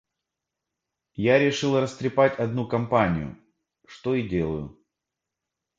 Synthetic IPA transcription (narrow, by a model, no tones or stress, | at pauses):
jaɾʲɪʂɨlˠrəst̪ɾʲɪpatʲɐd̪nukɐmpanʲɪjʊ̰ | ʂt̪o̞idʲe̞lˠəjʊ